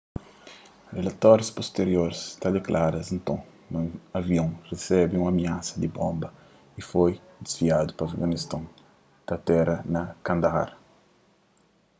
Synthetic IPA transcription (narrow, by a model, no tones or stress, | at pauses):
relat̪ɔɾispost̪eɾjoɾst̪ad̪eklʔaɾɐsẽnt̪õ | mɐ̃ɐvjõŋresɛbĩũŋɐmiasɐd̪ibõmbɐ | ifojd̪i̥zviad̪upɐfɡanist̪ãn | t̪ɐt̪ɛɾɐnɐkãnd̪ɐha̰ɾ